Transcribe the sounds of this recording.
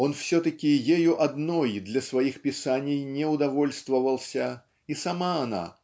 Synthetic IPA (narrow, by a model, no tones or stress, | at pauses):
o̞nfsʲɵt̪əkʲɪjejuʔɐd̪nojd̪lʲɐsvɐixpʲɪsanʲɪjnʲɪʊd̪ɐvo̞lʲst̪vəvəlˠsʲə | isɐmaːna̰